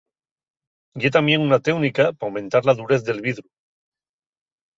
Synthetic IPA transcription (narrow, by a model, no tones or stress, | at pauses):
jet̪amjeŋunat̪ewnikapawment̪aɾlaðuɾeθðe̞lβiðɾu